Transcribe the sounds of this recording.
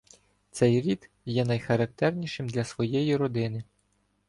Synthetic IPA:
t̪sɛjɾʲid̪ | jɛnɐjxɐɾɐk̚t̪ɛrnʲiʃɪmd̪lʲɐsʋɔjɛjiɾɔd̪ɪnɪ

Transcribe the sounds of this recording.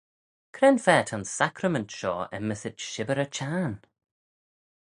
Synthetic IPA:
kʰɾɛnfɛːtʰansakʰɾəməntʃɔːɛ̰məsɪtʃɪbəɾət͡ʃʰaːn

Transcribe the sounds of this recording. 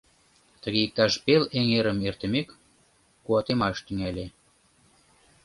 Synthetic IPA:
t̪əɣeik̚t̪ɑʃpeleŋeɾəmert̪əmekː | uɑt̪emɑʃt̪yŋælʲe

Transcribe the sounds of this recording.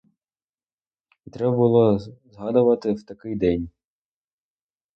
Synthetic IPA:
t̪ɾɛbɐbʊlˠɔzɦɑd̪ʊʋɐt̪ɪwt̪ɐkɪjd̪ɛnʲ

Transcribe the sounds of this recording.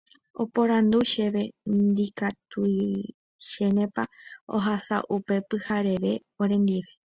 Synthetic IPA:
o̞̰po̞ɾand̪uʃeʋe̞nd̪ikat̪ui | ʃenẽpao̞̰ɦasa̰ʔupe̞pɨhaɾe̞ʋe̞oɾẽ̞nd̪iʋe

